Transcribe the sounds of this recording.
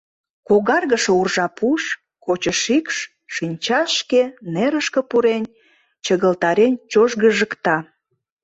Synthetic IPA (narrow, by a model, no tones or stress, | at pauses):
koɣɑrɣəʃourʒɑpuʃ | kot͡ɕə̆ʃikʃ | ʃinʲt͡ɕɑʃkeneɾəʃkə̆puɾenʲ | t͡ɕəɣəlt̪ɑɾenʲt͡ɕoʒɣəʒəkt̪ɑ